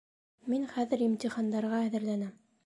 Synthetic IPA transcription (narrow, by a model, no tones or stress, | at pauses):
minχæðɘ̆ɾimt̪ʲiχɑnd̪ɑɾʁɑæðɘ̆ɾlænæm